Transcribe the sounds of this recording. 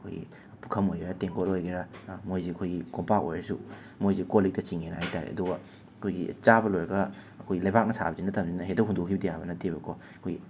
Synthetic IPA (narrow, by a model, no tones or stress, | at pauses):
ɐkʰo̰jɡḭ | pukʰɐmojɡeɾɐteŋkoɾojɡeɾɐmojzeɐkʰojɡikompako̰jɾɐsṵ | mojzekolik̚tɐt͡ʃiŋenɐajtaɾḛɐ̰duɡɐ | ɐkʰojɡḭt͡ʃabɐlojɾɐɡɐ | ɐkʰojɡilɐjbak̚nɐsʰa̰bɐzinɐtʰɐmzinɐɦedɐwɦundokʰibɐdijabɐnɐtʰːebɐkʰɔ | ɐkʰojɡi